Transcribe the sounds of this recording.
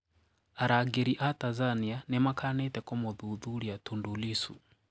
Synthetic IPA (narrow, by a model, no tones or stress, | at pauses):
aɾaɡɛɾiʔatazanianɛmakʰanɛtɛkɔmɔðuðuɾiatundulisṵ